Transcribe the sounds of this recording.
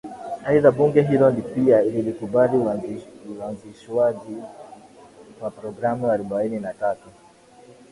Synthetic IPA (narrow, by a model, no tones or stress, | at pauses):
haiðaɓuŋɡɛɦilɔndipiaililikuɓaliuanziʃwaʄi | wapɾɔɡɾamuaɾubaininatatu